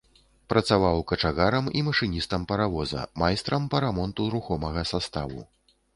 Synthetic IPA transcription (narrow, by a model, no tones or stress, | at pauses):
pɾɐt̪savawkɐt͡ʂaɣaɾɐmimɐʂɨnʲist̪ɐmpɐɾavɔzɐ̰majst̪ɾɐmpɐɾamɔnt̪uɾuxɔmɐɣɐsast̪avṵ